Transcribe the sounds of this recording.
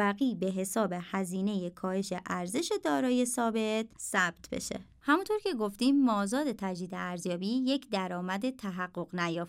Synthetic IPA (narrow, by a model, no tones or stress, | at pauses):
æɣiːbe̞ɦe̞sɒːbe̞hæziːne̞je̞kʰɒːhe̞ʃe̞ʔæɾze̞ʃe̞d̪ɒːɾɒːje̞sɒːbe̞t̪sæb̥̚t̪ʰbḛʃḛ | hæmunt̪ʰo̞ɾcʰe̞ɡo̞ft̪iːmːɒːzɒːd̪e̞t̪ʰæd͡ʒd̪iːd̪eæɾzjɒːbiːje̞cd̪æɾɒːmæd̪et̪ʰæɦæɢːo̞ɣnæjɒːf